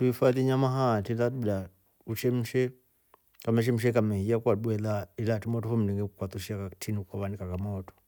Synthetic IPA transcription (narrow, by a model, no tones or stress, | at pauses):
tuifaðiɲamaɦatiladuda | ut͡ʃɛm̩ʃɛ | kamɛʃ̬ɛm̩ʃ̬ɛkamɛhiakwaɗwɛlailatimɔtɔfɔm̩liŋɡɛkukwat̪uʃiakatʰinikwaβanikakamɔtɔ̥